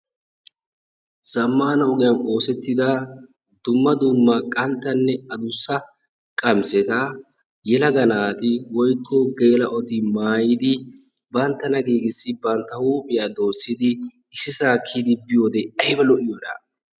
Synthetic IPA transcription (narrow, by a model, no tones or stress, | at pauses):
sɐmːaːnɐʊɡɪjɐmo̞ːsɛt̪ːɪd̪ɐ | d̪ʊmːɐd̪ʊmːɐkʼɐnt̪ːɐnːɛɐd̪ʊsːɐ | kʼɐmsɛt̪a | jɛlɐɡɐnaːt̪ɪwɔjkʰːɔɡe̞ːlɐʔɔt̪ɪmaːjɪd̪ɪ | bɐnt̪ːɐnɐɡiːɡɪsːɪbɐnt̪ːɐhuːpʼɪjaːd̪o̞ːsːɪd̪ɪ | ɪsːɪsaːkʰːid̪ɪbɪjo̞ːd̪ɛɐjbɐlɔʔɪjɔd̪a̰ː